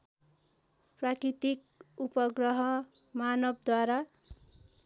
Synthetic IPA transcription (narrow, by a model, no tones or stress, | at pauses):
prakɾit̪ik̚ | upʌɡrʌɦʌ | manʌb̚d̪waɾa